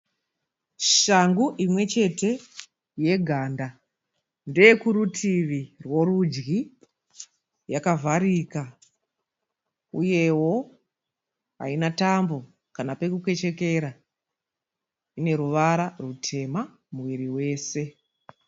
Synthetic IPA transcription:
ʃaŋɡuʔimwe̞t͡ʃe̞te̞ | je̞ɡʱaːnda | nde̞jekuɾutʰiʋirwo̞rud͡ʒɡi | jakavʱaɾika | uje̞wo̞ | a̰inatambo̞ | kanape̞kukwe̞t͡ʃeke̞ɾa | ine̞ɾuʋaɾarutʰe̞ma | muʋiɾiwe̞ːse̞

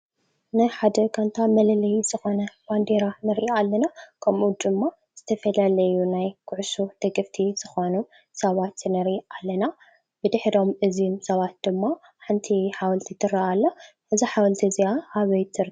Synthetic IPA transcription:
nɨħad̪ɐkʰant̪ʰamɐlɐlɐjz̥ɨxo̞nɐband̪eɾanɨɾalːɐnakʰɐmʔud̪ɨmːa | z̥ɨt̪ʰɐfɐlalɐjunajkʰʊʕsud̪̥ɐɡɐft̪ʰiz̥ɨxo̞nu | sɐβat̪nɨɾʔalːɐna | bɨd̪ɨħɾo̞mʔɨzumsɐβat̪̚d̪̥ɨmːa | ħɨnt̪ʰiħawɐlt̪ʰit̪ʰɨɾɐʔalːo | ʔɨziħawɐlt̪ʰiziaʔaβɐjt̪ʰɨɾ

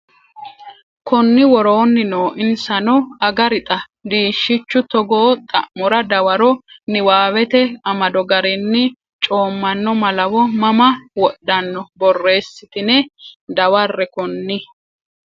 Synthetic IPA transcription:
kʊnːɪwɔɾo̞ːnːɪnoːʔɪnsɐnɔɐɡɐɾɪt̪ʼɐ | d̪iːʃːɪt͡ʃːʊt̪ɔɡoːt̪ʼɐ̰ʔmɔɾɐd̪ɐwɐɾɔnɪwaːwɛt̪ɛɐmɐd̪ɔɡɐɾɪnːɪ | t͡ʃʼo̞ːmːɐnːɔmɐlɐwɔmɐmɐwɔɗːɐnːɔbɔrːe̞ːsːɪt̪ɪnɛd̪ɐwɐrːɛkʊnːɪ

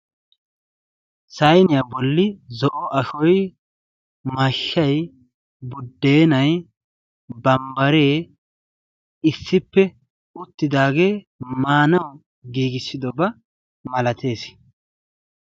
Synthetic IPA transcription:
sɐjnɪjabɔlːɪzɔʔɔʔɐʃɔj | mɐʃːɐj | bʊd̪ːe̞ːnɐj | bɐmbɐɾe̞ː | ɪsːɪpːɛ | ʊt̪ːɪd̪aːɡe̞ː | maːnɐw | ɡiːɡɪsːɪd̪ɔbɐ | mɐlɐt̪ʰe̞ːs

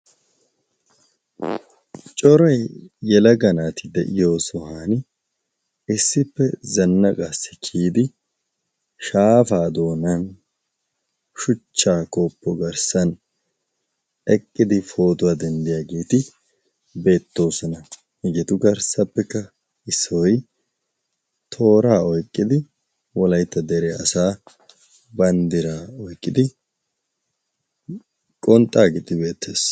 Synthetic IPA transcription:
t͡ʃʼɔɾɐjːɛlɐɡɐnaːt̪ɪd̪ɛʔɪjo̞ːsɔhaːnɪ | ɪsːɪpːɛzɐnːɐkʼasːɪ̥kʰiːd̪ɪ | ʃaːfaːd̪o̞ːnɐn | ʃʊt͡ʃːaːkopːɔɡɐɾsɐn | ɛkʼːɪd̪ɪfo̞ːt̪ʊwaːd̪ɛnd̪ɪjaːɡeːt̪ɪ | be̞ːt̪ːo̞ːsɔnɐ | hɪɡɪt̪ʊɡɐɾsɐpːɛkːɐ | ɪsːɔj | t̪ʰo̞ːɾaːɔjkʼːɪd̪ɪ | wɔlɐjt̪ːɐd̪ɛɾɛɐsaː | bɐnd̪ɪɾaːɔjkʼːɪd̪ɪ | kʼɔnt̪ʼːaːɡɪt̪ɪbe̞ːt̪ːeːs

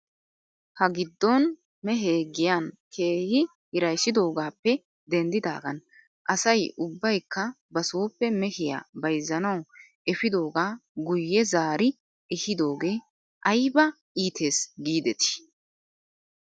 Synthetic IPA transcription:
hɐɡɪd̪ːɔn | mɛɦeːɡɪjaːnkʰeːhɪ | hɪɾɐjsːɪd̪o̞ːɡaːpːɛ | d̪ɛnd̪ɪd̪a̰ːɡɐn | ʔɐsɐjʔʊbːɐjkːɐ | bɐsoːpːɛmɛhɪja̰ːbɐjzːɐnɐw | ɛfɪd̪o̞ːɡaːɡʊjːɛzaːɾɪ | ɛhɪd̪o̞ːɡe̞ː | ʔɐjbɐ | ʔiːt̪ʰe̞ːsɡiːd̪ɛt̪ɪ̥

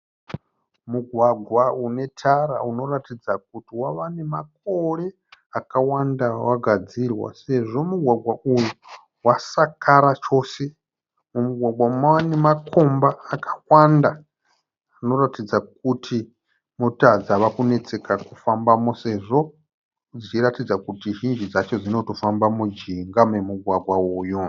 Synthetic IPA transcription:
muɡʱwaɡʱwaune̞tʰaɾa̰uno̞ratid͡zak̚utiwaʋane̞mak̚ore̞ | akawandawaɡʱad͡zirwa̰se̞ʐo̞muɡʱwaɡʱwaʔuju | wasakʰaɾat͡ʃo̞ːse̞ | mumuɡʱwaɡwaumawanemakʰo̞mbaːkʰḁwandaː | no̞ɾatid͡zak̚utʰi | mutad͡zaʋakune̞t͡se̞kakufambamose̞ʐo̞ | d͡zit͡ʃiratid͡zakutiʒind͡ʒid͡zat͡ʃo̞d͡zino̞to̞fambamud͡ʒiŋɡamemuɡʱwaɡʱwauːju

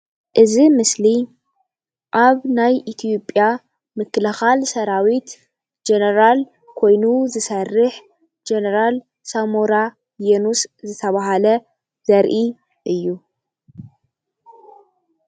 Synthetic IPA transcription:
ʔɨzimɨsli | ʔaβnajʔit̪ʰio̞pʼja | mɨkʰːɨlɨxalsɐɾawit̪ | d͡ʒenɐɾal | kʰo̞jnuzɨsɐrːɨħ | d͡ʒenɐɾal | samoɾa | jenuszɨt̪ʰɐβaɦalɐ | z̥ɐɾʔi | ʔɨjːu

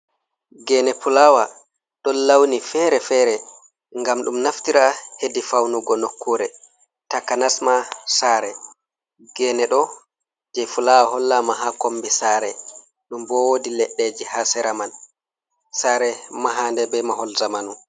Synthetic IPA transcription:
ɡɛnɛpulawa | ɗɔlːawnifɛɾɛfɛɾɛ | ŋɡamɗumnaftiɾahedifawnuɡɔnokʰːuɾɛ | takanasmasaːɾɛ | ɡɛnɛɗɔ | d͡ʒɛfulawaɦɔlːamaɦakombisaːɾɛ | ɗumbɔwodilɛɗːed͡ʒihasɛɾaman | saːɾɛmaɦandɛbɛmaɦɔlzamanu

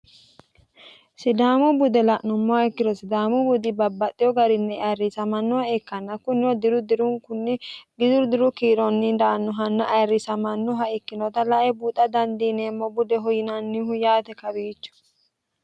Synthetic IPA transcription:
sɪd̪aːmʊbʊd̪ɛlɐʔnʊmːɔaɪkːɪd̪ɔsɪd̪aːmʊbʊd̪ɪbɐbːɐt̪ʼːɪjɔɡɐɾɪnːɛɐrːɪsɐmɐnːɔhɐɛkːɐnːɐkʊnːɪjɔd̪ɪɾʊd̪ɪɾʊŋkʊnːɪɡɪd̪ʊɾd̪ɪɾʊkiːɾɔnːɪnd̪aːnːɔɦɐnːɐʔɐjrːɪsɐmɐnːɔɦɐɛkːɪnɔt̪ɐlɐʔɛbut̪ʼːɐd̪ɐnd̪iːneːmːɔbʊd̪ɛɦɔjɪnɐnːɪhʊjaːt̪ɛkɐbiːt͡ʃːʊ̥

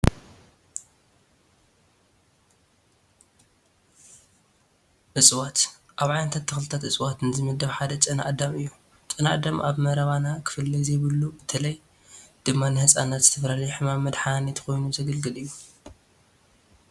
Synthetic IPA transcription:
ʔɨsʼwat̪ | ʔaβʕajnɐt̪ʰat̪ʰːɨxlɨt̪ʰat̪ʔɨsʼwat̪nɨzɨmɨd̪ːɐβħad̪ɐt͡ʃʼɐna̰ʔad̪ɐmɨjːu | t͡ʃʼɨnaʔad̪ɐmʔaβmɐɾɐβanakʰɨ̥fɨlːizejβɨlːubɨt̪ʰɐlɐj | d̪̥ɨmːanɨhɨsʼanat̪z̥ɨt̪ʰɐfɾalijħɨmamːɐd̪ħanet̪ʰkʰo̞jnuzɐɡɐlɡɨlɨjːu

